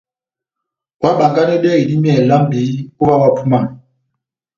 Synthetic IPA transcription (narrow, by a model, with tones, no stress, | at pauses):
wa˦ɓa˨ŋɡa˦nɛ˦ɗɛ˦ɣi˨di˦mi˦ɛ˨la˦m̩˦bi˨˦u˦ɓa˦wa˦pʰu˦ma˦˨n